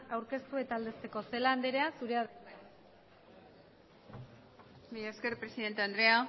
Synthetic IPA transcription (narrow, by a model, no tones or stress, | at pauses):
awɾke̞st̪ue̞t̪aːld̪e̞st̪e̞ko̞se̞laːnd̪eɾe̞asuɾe̞aðe | bijeskeɾpɾesiðe̞nt̪eand̪ɾea